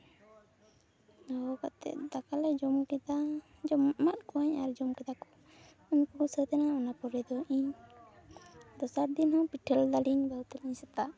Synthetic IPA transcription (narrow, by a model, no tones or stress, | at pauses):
ɔkat̪ɛ̰t̪̚d̪akalɛd͡ʒɔmkɛd̪a | d͡ʒɔmːat̪̚kɔwaɲaɾd͡ʒɔmkɛd̪akɔ̥ | uɲpɔɡɔsət̪ɛnaɔnapɔɾɛd̪ɔʔiɲ | d̪ɔsaɾd̪inhɔ̃piʈʰəld̪aliɲbawt̪ɛlaɲsɛt̪a